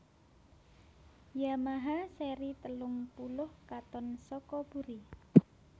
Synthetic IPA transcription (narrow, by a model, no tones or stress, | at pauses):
jamaɦaseɾit̪əlʊŋpulʊhkat̪ɔnsɔkɔb̥uɾi